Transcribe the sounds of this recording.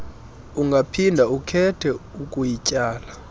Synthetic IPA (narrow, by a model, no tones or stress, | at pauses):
uŋɡʱapʰindʱaukʰɛtʰɛukʼujicʼaːla